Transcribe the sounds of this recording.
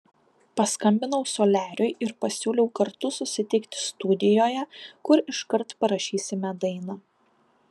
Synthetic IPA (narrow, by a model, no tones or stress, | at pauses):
pɐskɐmʲbʲɪnɐʊsoːlʲæːɾʲʊɪɪɾpɐsʲuːlʲɛʊkɐɾt̪ʊsʊsʲɪt̪ʲɪkt̪ʲɪ̥st̪ʊd̪ʲɪjoːjɛkʊɾɪʃkɐɾt̪pɐɾɐʃʲiːsʲɪmʲɛd̪ɐɪnɐ